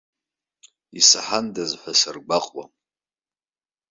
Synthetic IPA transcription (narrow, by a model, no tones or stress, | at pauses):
isaħandazħʷasarɡʷaqʼwa̰